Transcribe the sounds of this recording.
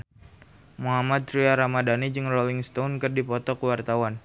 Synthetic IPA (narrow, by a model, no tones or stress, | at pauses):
muɦamat̪̚ɾiaɾamadanid͡ʒɨŋrolɪŋst̪awnkɨrdipɔt̪ɔkəwart̪awan